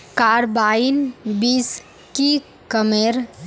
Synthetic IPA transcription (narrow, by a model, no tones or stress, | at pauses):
kaːɾbaːinbis | ki | kəmeɾ